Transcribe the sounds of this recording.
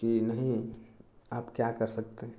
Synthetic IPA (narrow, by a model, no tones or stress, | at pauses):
kinəɦĩ | aːpkjakəɾsək̚t̪eɦɛ̃